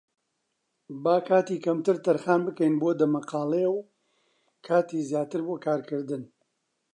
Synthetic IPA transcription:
baːkʰaːt̪iːkɐmt̪ɨɾt̪ɐɾxaːnbɨkɛjnboːd̪ɐmɐqɑːlew | kʰaːt̪iːzjaːt̪ɨɾboːkʰaːɾkɨɾd̪ɨn

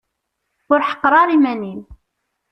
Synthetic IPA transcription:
ʊɾħə̥qːɾˤɑɾˤimænim

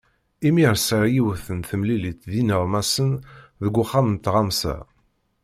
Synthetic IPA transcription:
imiɾsəɾjiwəθənθəmlilit̪ðinəʁmæsənðəɡʷːʊχːamənt̪ʁamsæ̰

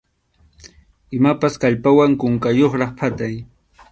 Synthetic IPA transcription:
ɪmapaskaʎpawaŋkʊŋkajoχɾɑχpat̪aj

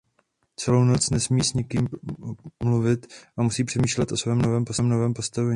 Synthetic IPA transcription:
t͡sɛlowno̞t͡snɛsmiːsɲɪkiːm | mluvɪt̪ʔamusiːpr̝̥ɛmiːʃlɛt̪ʔo̞svɛːmnovɛːmposɛːmno̞vɛːmpost̪avɛɲː

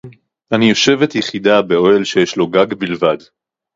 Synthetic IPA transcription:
ʔanijo̞ʃe̞vetjeχidabe̞o̞elʃe̞jeʃlo̞ɡaɡbilvad

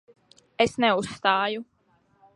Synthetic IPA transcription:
esnɛusːt̪aːju

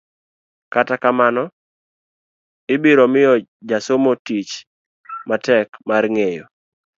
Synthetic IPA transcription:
katakamanɔ | ɪbiɾɔmɪjɔd͡ʒasomotit͡ʃ | matɛkmarŋejo

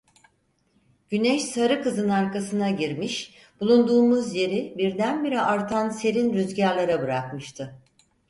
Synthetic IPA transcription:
ɟ̥ynɛʃsaɾɯkɯzɯnaɾkasɯnaɟiɾmiʃ | b̥ulˠund̪uːmuzje̞ɾibiɾd̪ænbiɾiʔaɾt̪ʰanse̞ɾinɾyzɟaɾlˠaɾabɯɾakmɯʃt̪ʰɯ

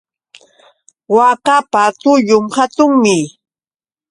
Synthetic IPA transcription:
wakapat̪ʊʎʊmhat̪ʊŋmɪ

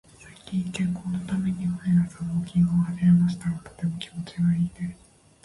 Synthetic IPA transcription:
saikʲĩkẽ̞ŋko̞ːno̞t̪ame̞ɲ̟ihɯeɾasanoːkʲĩŋohaziɾamaɕi̥t̪aɾat̪o̥t̪e̞mo̞kʲimo̞t͡ɕiɡaiːd̪e

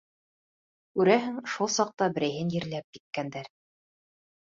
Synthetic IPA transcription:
kʉɾæɦɘŋʃulˠsɑq̚t̪ɑbɘ̆ɾæjɦɘnjɘ̆ɾlæp̚kit̪̚kænd̪æɾ

